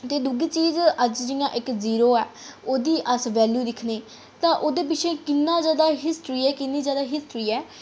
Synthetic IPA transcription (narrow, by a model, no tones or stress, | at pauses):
t̪eːd̪uːɡiːt͡ʃiːzəd͡ʒd͡ʒɪjãːʔɪkziːɾoːɛːoːd̪iːʔəsʋɛːljuːd̪ɪkʰneː | t̪ãːʔoːd̪eːp̬ɪt͡ʃʰẽːkɪnːãːd͡ʒaːd̪aːɦɪsʈɾiːɛːkɪnːiːd͡ʒaːd̪aːɦɪsʈɾiːɛː